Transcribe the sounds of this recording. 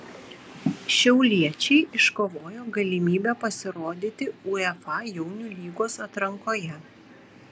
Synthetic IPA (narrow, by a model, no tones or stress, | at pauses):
ʃʲɛʊlʲiɛt͡ʃʲɛɪʔɪʃkoːʋoːjoːɡɐlʲimʲiːbʲɛpɐsʲɪɾoːd̪ʲiːt̪ʲɪuɛfɑjɛʊnʲuːlʲiːɡoːsɐt̪ɾɐŋkoːjɛ